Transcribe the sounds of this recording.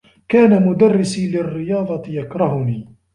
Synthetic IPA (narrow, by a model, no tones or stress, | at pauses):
kaːnamʊd̪arːɪsilɪrːɪjɑːðˤɑt̪jakɾˤɑɦʊniː